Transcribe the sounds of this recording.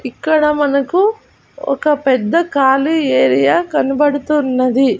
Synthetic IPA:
ikːɐɽɐmɐnɐku | ɔ̰kɐpɛd̪ːɐkaːlieːɾijaːkɐnibɐɽut̪unːɐd̪i

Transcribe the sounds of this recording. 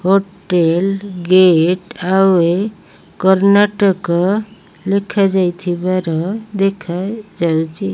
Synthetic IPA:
hoʈelɡeʈawe | kɔɾnaʈəkːɔ | lekʰad͡ʒajt̪ʰibaɾɔd̪ekʰad͡ʒawt͡ʃʰi

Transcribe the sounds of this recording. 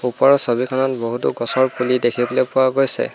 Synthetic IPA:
upɔɹɔsobikʰɔnɔtboɦutuɡɔsɔɹpulidekʰibɔlɛpʊwaɡojsɛ̰

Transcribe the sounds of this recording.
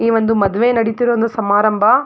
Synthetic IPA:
iːʋɐnd̪umɐd̪ʋeːnɐɽit̪iɾoːnd̪ɐsɐmaːɾɐmbʱɐ

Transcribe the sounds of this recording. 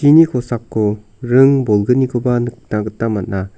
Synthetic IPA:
inikʰosakːo | ɾɯŋbolɡɯnikʰobanɯk̚naɡɯtːamat̚na

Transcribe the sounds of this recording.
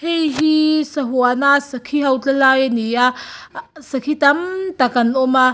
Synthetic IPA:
hejɦisəɦuanasəkʰiɦɐwt͡ɬəlajnia | səkʰit̪ɐmt̪akɐnɔma

